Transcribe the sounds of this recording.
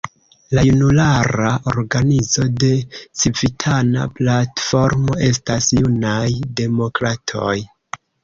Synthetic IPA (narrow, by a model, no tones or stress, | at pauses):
lajunulaɾaʔo̞̰ɾɡanizo̞de̞sivitʰana̰platfo̞ɾmo̞ʔe̞stasjunajde̞mo̞kɾatʰo̞̰j